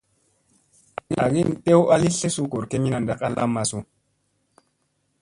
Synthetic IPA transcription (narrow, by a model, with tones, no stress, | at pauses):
i˦na˨ɡi˦n˨te˦wa˦li˦ɬe˦su˦ko˨ɾke˦mi˦na˨nda˦ka˦la̰˦mːa˨su˨